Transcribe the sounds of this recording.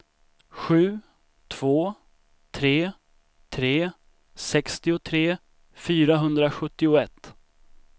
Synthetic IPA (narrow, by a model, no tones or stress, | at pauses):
ɧʉ̟ː | t̪ʰv̥oː | t̪ʰɾeː | t̪ʰɾeː | sɛkst̪ɪʊt̪ʰɾeː | fyːɾaɦɵnd̪ɾaɧɵt̪ːɪʊɛt̪ː